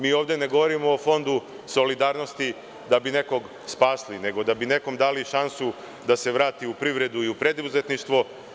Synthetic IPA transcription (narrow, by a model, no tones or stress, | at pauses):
miːo̞ːʋd̪e̞ne̞ɡo̞ʋo̞ɾimoːfo̞nd̪u | so̞lid̪aːɾno̞st̪i | d̪abine̞ko̞ɡ | spaːsline̞ɡo̞d̪abine̞ko̞md̪aːliʃansu | d̪ase̞ʋɾaːt̪iupɾiʋɾe̞d̪uiupɾe̞d̪uzet̪niʃt̪ʋo̞